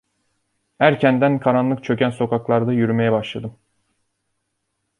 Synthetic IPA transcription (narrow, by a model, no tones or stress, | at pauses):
hæɾcʰænd̪ænkʰaɾanlˠɯkt͡ʃʰø̞cʲænso̞kʰaklˠaɾd̪ajyɾyme̞jɛbaʃlˠad̪ɯm